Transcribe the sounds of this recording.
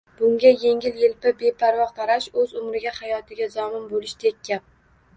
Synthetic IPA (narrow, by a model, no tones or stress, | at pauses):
b̥ʊŋɡʲaje̞ŋʲɪljɪlpɪbe̞pʰaɾwɒʁt̪ʰaɾaʃɵzʊmɾɪɡʲahajɒt̪ʰɪɡʲazɒmɪnbolɪʃt̪ʰekʲʰːap̚